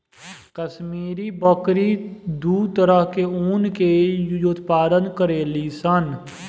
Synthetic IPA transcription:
kəsmiːɾibəkɾid̪uːd̪t̪əɾəɦkeuːnkejjot̪paːd̪ənkəɾeːlisən

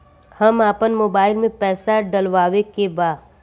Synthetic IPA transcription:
hɐmaːpənmoːbaːɪlmẽpɛːsaɖəlʋaːʋekebaːd̪

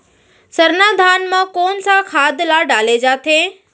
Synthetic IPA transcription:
sɐɾnaːd̪ʱaːnmãkoːnsãkʰaːd̪laːɖaːled͡ʑaːt̪ʰeː

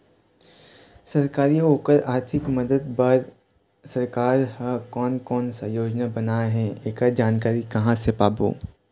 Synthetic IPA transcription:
sɐɾkaːɾioːkəɾaːɾt̪ʰɪkmɐd̪əd̪̚bɐɾ | sɐɾkaːɾhakɔːnkɔːnsajoːd͡ʒnabɐnaːɦɛ̃eːkad͡ʒaːnkaːɾikɐɦãsepaːbo̰ː

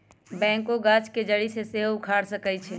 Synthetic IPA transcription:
bɛ̃ːŋkoɡaːt͡ʃked͡ʒəɽiseseɦʊkʰaːɽsəkət͡ʃʰɛ

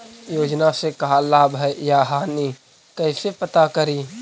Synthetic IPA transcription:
joːd͡ʒnasekɐɦalaːbʱəjaɦaːni | kəɪsepət̪akəɾiː

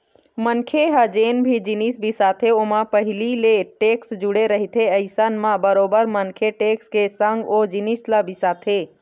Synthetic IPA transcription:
mənkʰeɦəd͡ʒeːnbʱid͡ʒinisbisaːt̪ʰeoːmãpəɦɪlileʈeːksd͡ʒʊɽeɾəɦit̪ʰeəɪsənmãbəɾoːbəɾmənkʰeʈeːkskesə̃ŋɡod͡ʒinisləbɪsaːt̪ʰeː

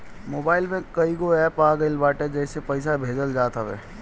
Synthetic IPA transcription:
moːbaːɪlmẽkɐiɡoɛːpaːɡəɪlbaːʈɛd͡ʒɛːsepɛɪsabʱeːd͡ʒəld͡ʒaːt̪aʋɛ̰ː

